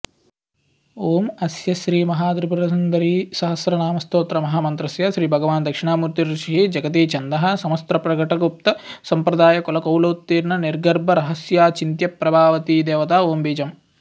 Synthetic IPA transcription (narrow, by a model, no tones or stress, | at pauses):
oːmɐsjɐʃɾiːmɐɦaːd̪ɾupuɾɐsɐnd̪ɐɾiːʃɐɦɐsɾɐnaːmɐst̪oːt̪ɾɐmɐɦaːmɐnt̪ɾɐsjɐʃɾiːbʱɐɡɐʋaːnd̪ɐkʂiɳaːmuːɾt̪iɾɾuʃʰiɦid͡ʒɐɡɐt̪iːt͡ʃɐnd̪ɐɦɐ̆sɐmɐst̪ɾɐpɾɐɡɐʈɐɡup̚t̪ɐsɐmpɾɐd̪aːjɐkɔlɐkɐwloːt̪ːiːɾnɐniɾɡɐɾbʱɐɾɐɦɐsjaːt͡ʃint̪jɐpɾɐbʱaːʋɐt̪iːd̪eːʋɐt̪aːoːmbiːd͡ʒɐm